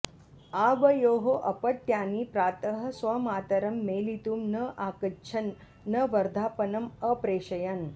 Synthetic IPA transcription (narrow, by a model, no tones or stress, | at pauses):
aːʋɐjoːɦoʔɐpɐʈ̚t̪jaːniːpɾaːt̪ɐɦɐ̆sʋɐmaːt̪ɐɾɐmːeːlit̪uːmnɐʔaːkɐt͡ʃʰɐnː | ɐʋɐɾd̪ʱaːpɐnɐməpɾeːɕɐjan